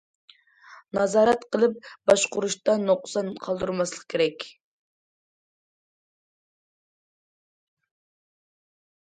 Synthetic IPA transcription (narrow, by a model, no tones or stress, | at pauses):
nɑzɑːɾɛt̪qʰəlˠɨp̚bɑʃqʊɾuʃt̪ɑnoqsɑnqʰɑlˠd̪uɾmɑslˠə̥q̚kʲʰeɾɛkʲ